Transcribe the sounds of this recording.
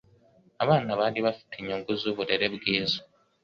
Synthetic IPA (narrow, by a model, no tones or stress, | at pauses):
aβaːnaβaːliβafu̥tʰiɲoːŋɡuzoːβuɾeɾe̞βɡiːzo̥